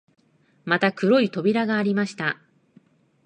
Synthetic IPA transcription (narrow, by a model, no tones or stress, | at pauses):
mat̪akɯ̟ɾo̞it̪o̞bʲiɾaɡaːɾʲimaɕi̥t̪a